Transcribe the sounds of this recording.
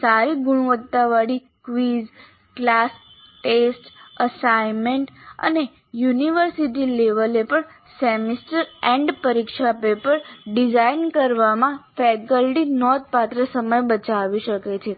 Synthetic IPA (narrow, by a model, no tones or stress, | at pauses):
saɾiɡʊɽ̃ʋət̪ːaʋaɽi | kʋiz | klas | ʈesʈəsaimeɳʈə̰ne | juniʋəɾsiʈ̬ileʋəlepəɳ | sɛmisʈəɾɛ̃ɳɖpəɾikʃapepəɾɖid͡ʒainkəɾʋamãfɛkəlʈinɔd̪̚pat̪ɾəsəməjbət͡ʃaʋiʃəket͡ʃʰe